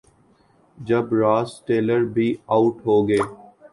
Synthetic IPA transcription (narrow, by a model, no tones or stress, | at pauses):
d͡ʒɐbɾaːsʈeːləɾbʱiaʊʈɦoːɡeː